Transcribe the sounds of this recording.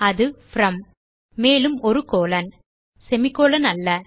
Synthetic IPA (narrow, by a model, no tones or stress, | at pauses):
ɐðɯfɾɐmː | eːlɯmɔɾɯkoːlɐn | sɛmɪkːoːlɐnɐlːɐ